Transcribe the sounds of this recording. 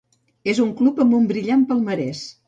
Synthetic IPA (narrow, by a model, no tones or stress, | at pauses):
ezuŋklupəmbumbɾiʎampəlˠməɾɛs